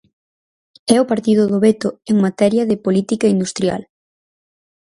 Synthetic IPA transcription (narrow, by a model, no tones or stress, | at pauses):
ɛʊpaɾt̪iðʊðoβet̪ʊeŋmat̪ɛɾjɐðɪpolit̪ikɐind̪ust̪ɾja̰l